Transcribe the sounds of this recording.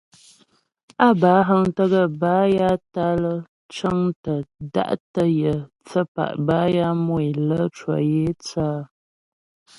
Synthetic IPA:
a˦ba˨˦ɦə˦ŋtə˦ɣə˦baː˦ja˦ta˦lə˦ | t͡ʃə˦ŋtə˨da̰˦˨ʔtə˦jə˨ | t͡sə˦pa̰˨ʔba˦ja˦mo˦˨i˨lə˦t͡ʃwɔ̰˨je˦t͡saː˦

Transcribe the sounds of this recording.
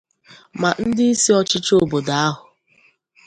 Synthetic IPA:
ma˨n̩˦dɪ˦i˦si˦ɔ˦t͡ʃɪ˦t͡ʃo˦˨bo˨da˨a˦ɦʊ˨

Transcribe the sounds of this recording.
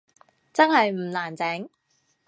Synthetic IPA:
t͡sɐ˥nhɐ˨jm̩˨˩laː˨˩nt͡sɛː˨˥ŋ

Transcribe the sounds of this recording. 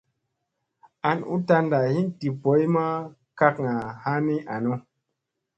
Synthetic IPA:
a˧nṵ˦ta˧nda˨hi˦nti˨po˨˦i˦ma˦ | ka˦kŋa˨ha˦ni˦a˨nu˦

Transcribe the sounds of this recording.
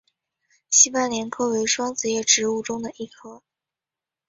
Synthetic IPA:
ɕi˥pa˥˩nljɛ˧˥nkʰɤ˥we˧˥ɪʂwɑ˥ŋt͡sɹ̩˧˥jɛ˥˩ʈ͡ʂɻ̩˧˥u˥˩ʈ͡ʂʊ˥ŋd̪ə˨ʔi˥˩kʰɤ˥˩

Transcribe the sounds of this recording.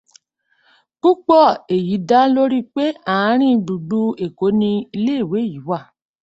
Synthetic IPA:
k͡pu˦k͡pɔ˦˨e˨ji˨˦da˦lo˦ɾi˦k͡pe˦a˦˨ã˨˦ɾ̃ĩ˦ɡ͡bu˨ɡ͡bu˦e˨ko˨˦nĩ˧i˧le˦˨we˨˦ji˨˦wa˦˨

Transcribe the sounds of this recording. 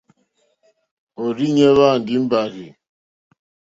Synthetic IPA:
o˨ɾi˦ɲe˦βa˦˨n̩˨dɪ˦m̩˦ba˨ɣi˨

